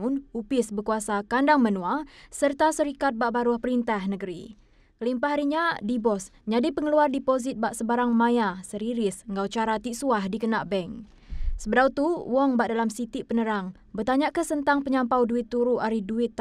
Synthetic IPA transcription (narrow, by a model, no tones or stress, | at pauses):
unupɪsbəkuasakandaŋmənũasərt̪asəɾikat̪̚baʔbaɾuahpəɾint̪ahnəɡəɾi | kəlimpaɦaɾiɲadibɔs | ɲadipəŋəluardipozit̪̚baʔsəbaɾaŋmãjasəɾiɾisŋɡawt͡ʃaɾat̪iʔsuahdikənaʔbɛŋ | səbədawt̪uwɔŋbaʔ̚dalamsit̪ipənəɾaŋ | bərt̪aɲaʔkəsənt̪aŋpəɲampawduɪt̪ːuɾuʔaɾiduɪt̪ː